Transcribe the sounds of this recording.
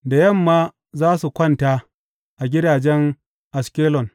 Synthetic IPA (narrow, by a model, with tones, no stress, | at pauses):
da˨jɐ˦˨mːaː˦ | zaː˦su˨kʷɐ˦˨ntaː˦ | ʔa˨ɡʲɪ˦daː˨d͡ʒɛ˦ŋ | ʔa˨skʲeː˦lɔ˨n